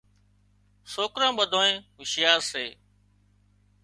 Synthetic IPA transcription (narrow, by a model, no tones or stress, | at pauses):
soːkɾãːɓəd̪ʱõːẽːʋɪʃɪjaːseː